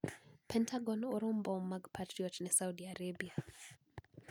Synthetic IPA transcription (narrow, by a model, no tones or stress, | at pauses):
pʰɛntʰaɡɔnoɾombɔmːaɡpʰatɾiɔtnɛsawdiaɾabia